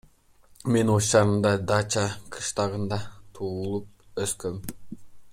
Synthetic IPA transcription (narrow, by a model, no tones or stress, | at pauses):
me̞nost͡ʃɑɾɯnd̪ɑd̪ɑt͡ʃɑqʰɯ̥ʃt̪ɑʁɯnd̪ɑt̪ʰuːulˠup̚ | øskøm